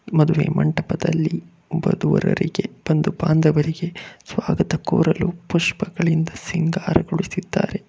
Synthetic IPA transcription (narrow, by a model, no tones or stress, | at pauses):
mɐd̪uʋe̞ːmʔɐɳʈɐpɐd̪ɐlːi | bɐd̪uʋɐɾɐ̰ɾiɡe̞bɐnd̪ubaːnd̪ɐʋɐɾiɡe̞sʋaːɡɐt̪ɐkoːɾɐlupuʂpɐɡɐɭind̪ɐsiŋɡaːɾɐɡoɭisid̪ːaːɾe̞